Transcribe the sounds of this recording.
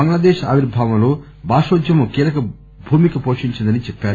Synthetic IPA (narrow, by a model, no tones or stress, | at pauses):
ɐŋɡlɐd̪eːʃa̰ːʋiɾbʱaːʋɐmlo̞ː | baːʂoːd͡ʒjɐmukiːlɐkɐ | bʱuːmikɐpoːʂiɲt͡ʃind̪ɐnit͡ʃɛpːaːɾ